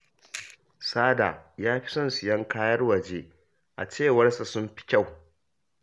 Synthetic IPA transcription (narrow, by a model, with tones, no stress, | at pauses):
saː˦da̰ː˨jaː˦ɸi̥˦sɔ˦˨nsʊ˨jɐ˦ŋkʰaː˦jɐ˦rwɐ˨d͡ʒeː˦ | ʔa̰˨t͡ʃeː˦˨wɐ˦rsa˨sʊ˦mɸi̥˦kʲa˦˨w